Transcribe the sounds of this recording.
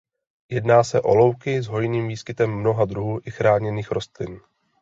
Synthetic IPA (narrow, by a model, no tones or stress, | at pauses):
jɛdnaːsɛʔo̞̰lo̞wkɪzɦo̞jniːmviːskɪt̪ɛmːno̞ɦad̪ɾuɦuːʔɪxɾaːɲɛniːxɾo̞st̪lɪn